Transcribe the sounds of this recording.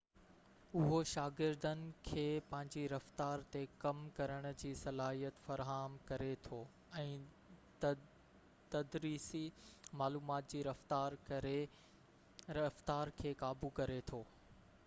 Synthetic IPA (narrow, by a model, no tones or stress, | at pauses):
ʊɦoʃaːɡɪɾd̪ənɪ̆kʰeːpɐ̃ɦɪ̃ɲd͡ʑiɾɐft̪aːɾt̪ekɐmkɐɾəɽ̃ʊ̆d͡ʑiːsɐlaːɦijət̪fɐɾɦaːmkɐɾet̪ʰoː | ɛ̃ː | t̪ɐd̪ɾiːsimaːluːmaːt̪̚d͡ʑiːɾɐft̪aːɾ | ɾɐft̪aːɾkʰeːkaːbukɐɾet̪ʰoː